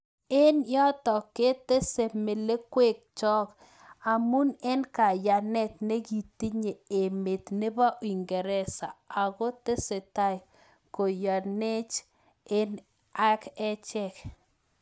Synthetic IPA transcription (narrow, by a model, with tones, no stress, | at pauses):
ɪ˦njɔ˦t̪ɔ˨ke˦t̪e˦se˨me˨le˦kwe˦˨k̚t͡ʃɔ˦k | a˨mu˦nɛ˦nka˨ja˨nɛ˦t̪ne˦ɡi˨ti˦ɲe˨e˨me˨t̪ne˦ba˦ʔi˨ŋɡɛ˨ɾɛ˦sa̰˨a˨ɡo˦te˦se˨ta˦j | ko˨ja˨ne˦t͡ʃ | ɪ˦n | a˦kɛ˦t͡ʃɛ˦k